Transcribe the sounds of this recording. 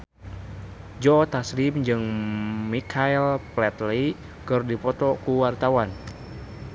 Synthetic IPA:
d͡ʒɔːt̪asɾimd͡ʒɨŋmikʰailplɛt̪li | kɨrdipɔt̪ɔkuwart̪awan

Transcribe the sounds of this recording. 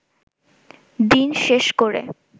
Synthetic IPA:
d̪inʃeʃkoɾḛ

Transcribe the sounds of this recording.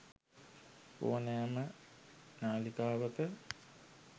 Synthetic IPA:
po̰ːnaːmə | naːlikaːʋəkə

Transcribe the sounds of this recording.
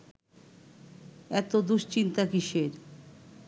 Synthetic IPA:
ɛt̪od̪uʃt͡ɕint̪akiʃeɾ

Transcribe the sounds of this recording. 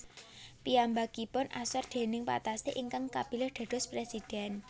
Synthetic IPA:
piambakipɔnʔa̰sɔrd̪̥e̤nɪŋpa̰t̪aseʔiŋkaŋkab̥iləɖ̪̥a̤ɖ̥ɔ̤spɾesid̪̥ɛn

